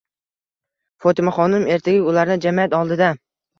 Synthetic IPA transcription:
fot̪ɪmaχɒnɪme̞ɾt̪ʰaɡʲaʊlaɾnɪd͡ʒamijat̪ɒlˠd̪ɪd̪a

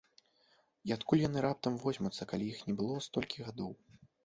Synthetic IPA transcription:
iat̪kulʲjanɨɾap̚t̪ɐmvɔzʲmut̪sːɐkalʲijixnʲɛbɨlˠɔst̪ɔlʲkʲʰiɣad̪ɔw

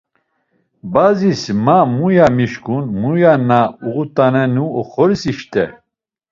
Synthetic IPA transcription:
bazismamujamiʃkunmujanauʁut̪ʼanɛnuɔχɔɾsiʃt̪ɛ

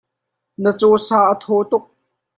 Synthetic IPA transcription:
nət͡sɔːsaːʔət̪ʰɔːt̪ʊk̚

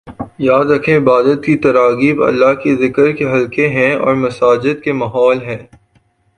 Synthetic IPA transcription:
jaːd̪ɾɐkʰẽɪbaːd̪ət̪̚kit̪ɐɾaːɡiːbɐ̰lːaɦkezɪkəɾkeɦɐlkeɦɛ̃ɔ̰ːɾmɐsaːd͡ʒɪd̪̚kemɐɦɔːlɦɛ̃ː

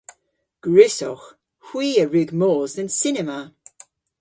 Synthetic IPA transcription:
ɡ̥ɹɪsɔ̰x | hw̥iːəɹʉɡmoːzənsɪnɛma

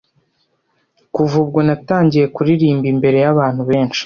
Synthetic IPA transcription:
kuvubɡonataːɲɟije̞kuɾiɾiːmbimbe̞ɾe̞jaβaːn̥huβe̞ːnʃi̥

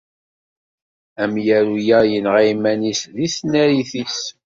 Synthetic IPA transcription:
æmjæɾujæjənʁæjmænisðisnæɾiθis

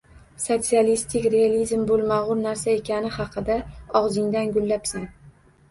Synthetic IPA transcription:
sot̪sialist̪ʰɪkʲɾe̞alizmbolˠmaʁʊɾnaɾsae̞kʲanɪhɑqʰɨd̪aɒʁzɪŋd̪anɡʊlːapsan

